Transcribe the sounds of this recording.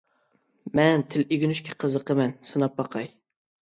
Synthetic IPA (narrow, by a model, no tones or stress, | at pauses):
mɛnt̪ʰɪleɡʲynyʃkʲʰɛ̥qʰəzəqəmɛnsɨnɑp̚bɑqʰɑj